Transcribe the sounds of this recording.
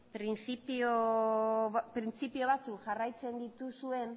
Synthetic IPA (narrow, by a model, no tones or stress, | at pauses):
pɾint͡sipio | pɾint͡sipio̞βat͡sukʝarajt͡se̞nd̪it̪usue̞n